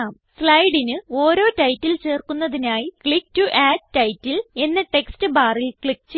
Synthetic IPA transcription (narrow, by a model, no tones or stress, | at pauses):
aːm | slɐjɽinɨo̞ːɾo̞ːtɐjtːilt͡ɕe̞ːrkunːɐðinaːjikɭik̚tuʔaːɖ̚tɐjtːile̞nːɨʈe̞kstɨbaːrilkɭik̚t͡ɕ